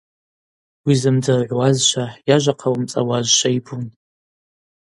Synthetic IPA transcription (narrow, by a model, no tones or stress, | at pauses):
wizɨmd͡zarʕʷwazʃʷʰajaʒʷaqʰawmt͡sʼa̰wazʃʷʰaibun